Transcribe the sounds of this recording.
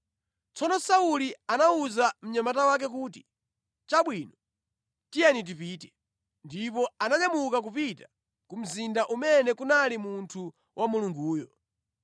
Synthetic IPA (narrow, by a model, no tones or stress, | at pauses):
t͡sɔnɔsaulianauzam̩ɲamatawak̬ɛk̬uːti̥ | t͡ʃaɓwinɔ | tijanit̬ipiːtɛ | ndipɔanaɲamukak̬upita | kum̩zindaʔumɛnɛkunalimuntʰu | wʔamuluŋɡuːjɔ